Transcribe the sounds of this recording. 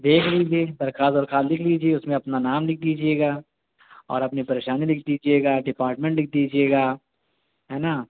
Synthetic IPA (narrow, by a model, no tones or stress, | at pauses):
d̪eːkʰliːd͡ʒieːd̪ɐɾkaːzɔːɾkʰaːllɪkʰliːd͡ʒieʊsmẽɐpnanaːmlɪk̚ʰd̪iːd͡ʒieːɡaː | ɔ̰ːɾɐpnipɐɾeːʃaːnilɪk̚ʰd̪iːd͡ʒieːɡaːɖɪpaːɾʈmẽɳʈlɪk̚ʰd̪iːd͡ʒieːɡaː | ɦɛːnaː